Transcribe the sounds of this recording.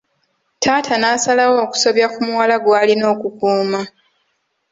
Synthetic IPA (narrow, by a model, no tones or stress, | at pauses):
tʰaːtʰanasalawo̞ːku̥so̞βjakumuwalaɡwaːlino̞ːkukuːma